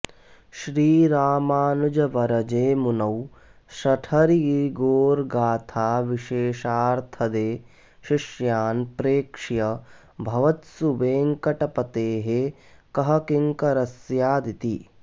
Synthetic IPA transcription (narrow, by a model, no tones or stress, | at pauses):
ʃɾiːɾaːmaːnud͡ʒɐʋɐɾɐd͡ʒeːmunɐw | ʃɐʈʰɐɾiɡoːɾɡaːt̪ʰaːʋiʃeːʃaːɾt̪ʰɐd̪eː | ʃiʃjaːnpɾeːkʂjɐ | bʱɐʋɐt̪suʋeːŋkɐʈɐpɐt̪eːɦe | kɐɦɐkiŋkɐɾɐsjaːd̪it̪i